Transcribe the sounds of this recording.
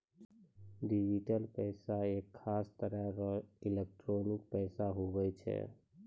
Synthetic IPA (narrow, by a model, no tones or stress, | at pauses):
ɖid͡ʒiʈəlpɛɪsaekʰːast̪əɾɛɾɔilek̚ʈɾonik̚pɛjsaɦobɛjt͡ʃʰɛ̰